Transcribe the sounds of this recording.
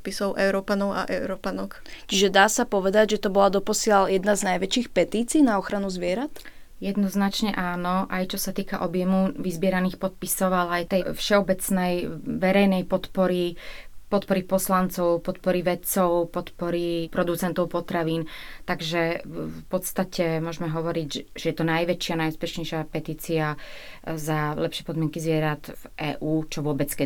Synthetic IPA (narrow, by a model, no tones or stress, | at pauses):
pisɔʊʔɛʊɾɔpanɔʊa̰ʔɛʊɾɔpanɔkt͡ʃiʒɛd̪aːsapɔʋɛd̪aɟʒɛt̪ɔbɔlad̪ɔpɔsɪaljɛd̪naznajʋɛt͡ʃiːxpɛt̪iːt͡siːnaɔxɾanuzʋɪɛɾat̪ | jɛd̪nɔznat͡ʃɲɛʔaːnɔʔajt͡ʃɔsat̪iːkaʔɔbjɛmuʋizbɪɛɾaniːxpɔt̪̚pisɔʊalajt̪ɛjfʃɛɔbɛt͡snɛjʋɛɾɛjnɛjpɔt̪pɔɾipɔt̪̚pɔɾipɔslant͡sɔʊpɔt̪pɔɾiʋɛt͡sɔʊpɔt̪pɔɾipɾɔd̪ut͡sɛnt̪ɔʊpɔt̪ɾaʋiːnt̪aɡʒɛpɔt̪st̪acɛmʊɔʒmɛɦɔʋɔɾiɟʒɛjɛt̪ɔnajʋɛt͡ʃɪanajuspɛʃɲɛjʃɪapɛt̪iːt͡sia | zalɛpʃɪɛpɔd̪mɪɛŋkizʋɪɛɾat̪vʔɛ̰ːʔuːt͡ʃɔʋʊɔbɛt͡skɛ